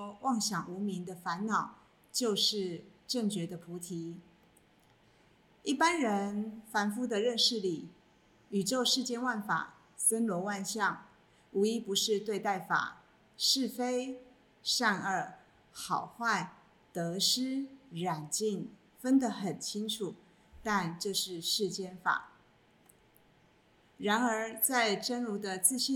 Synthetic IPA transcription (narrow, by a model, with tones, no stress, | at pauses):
wɑ˥˩ŋɕjɑ˨˩ŋu˧˥mi˧˥ŋd̪ə˧fa˧˥nnɑ˨˩ʊ | t͡ɕjo˥˧ʊʂɻ̩˥˩ʈ͡ʂə˥˩ŋt͡ɕɥɛ˧˥d̪ə˧pʰu˧˥t̪ʰi˧˥˦ | i˥˩pa˦˥nɻə˧˦˥nfa˧˥nfu˥d̪ə˨ɻə˥˧nʂɻ̩˥˩li˨˩ | y˨˩ʈ͡ʂo˥˧ʊʂɻ̩˥˧t͡ɕjɛ˥˧nwa˥˩nfa̰˨˩ | sə˦nlwɔ˧˥wa˥˧nɕjɑ˥˨˩ŋ | u˧˥i˥pu˨˥ʂɻ̩˥˧t̪we˥˧ɪt̪a˥˩ɪfa̰˨˩ | ʂɻ̩˥˩fe˥ɪ | ʂa˥˧nə˞˨˩ | xɑ˨˩ʊxwa˥˩ɪ | t̪ɤ˧˥ʂɻ̩˥ɻa˨˩nt͡ɕi˥˩n | fə˥nd̪ə˨xə˨˩nt͡ɕʰi˥ŋʈ͡ʂʰu˨˩ | t̪a˥˧nʈ͡ʂɤ˥˧ʂɻ̩˥˧ʂɻ̩˥˧t͡ɕjɛ˥˩nfa̰˨˩˦ | ɻa˧˥nə˞˧˥t͡sa˥˧˩ɪʈ͡ʂə˥nlu˧˥d̪ə˧t͡sɹ̩˥˧ɕi˥˧